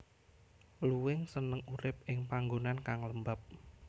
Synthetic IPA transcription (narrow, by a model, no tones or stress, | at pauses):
luwɪŋsənəŋuɾɪp̚ɪŋpaŋɡonankaŋləmbap̚